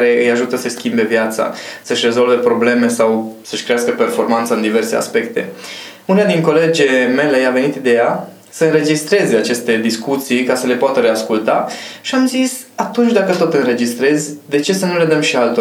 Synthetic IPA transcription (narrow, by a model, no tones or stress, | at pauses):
aɾe̞ɨjaʒut̪əsəskʲimbe̞vjat̪sa̰səʃʲre̞zo̞lve̞pɾo̞ble̞me̞sawsəʃkɾeaskəpe̞rfo̞rmant̪səɨnd̪ive̞rse̞a̰spe̞kt̪e̞ | unead̪iŋko̞le̞d͡ʒe̞me̞le̞ave̞nit̪id̪e̞ja | səɨnre̞d͡ʒist̪ɾe̞zeat͡ʃe̞st̪e̞d̪iskut̪sijkasəle̞poat̪əɾe̞askult̪aʃiamzisat̪unt͡ʃʲd̪akət̪o̞t̪ɨnɾe̞d͡ʒist̪ɾe̞zʲd̪e̞t͡ʃe̞sənule̞d̪əmʃialt̪o